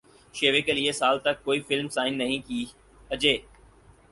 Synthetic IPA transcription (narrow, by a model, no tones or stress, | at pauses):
ʃeːʋekəliesaːlt̪ɐkːoːifɪlmsaːɪnːɐɦĩkiː | ɐd͡ʑeː